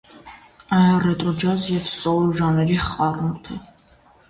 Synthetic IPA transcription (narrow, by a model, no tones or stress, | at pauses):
ɑjɑrɛt̪ʼɾɔd͡ʒɑzjɛvsɔɾʒɑnɛɾiχɑrumt̪ʰə